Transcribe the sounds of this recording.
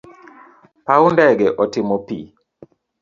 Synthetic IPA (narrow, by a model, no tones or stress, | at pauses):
paundɛɡɛʔɔtɪmopḭ